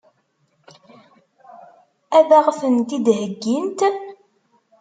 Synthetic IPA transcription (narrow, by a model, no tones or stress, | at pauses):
æðaʁfənt̪id̪ɦəɡːint̪ən